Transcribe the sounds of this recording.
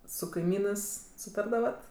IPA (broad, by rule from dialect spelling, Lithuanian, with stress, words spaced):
sʊ kɐɪˈmʲiːnɜs sʊˈtɐrdɐʋɐt